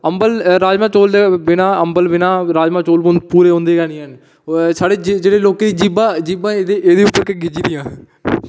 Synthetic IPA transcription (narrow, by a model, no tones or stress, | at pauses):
əmbəlɾaːd͡ʒmãːt͡ʃoːld̪eːbɪnãːəmbəlbɪnãːɾaːd͡ʒmãːt͡ʃoːlpuːɾeːɦõːnd̪eːkɛːnĩːɦən | saːɽeːd͡ʒd͡ʒeːɽeːloːkeːd̪iːd͡ʒiːbãːd͡ʒiːbãːed̪eeːd̪eːʊpːəɾkəɡɪd͡ʒiːd̪ijãː